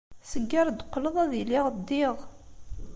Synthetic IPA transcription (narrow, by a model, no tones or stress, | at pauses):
səɡːaɾˤd̪qːləðˤæðiliʁd̪ːɪʁ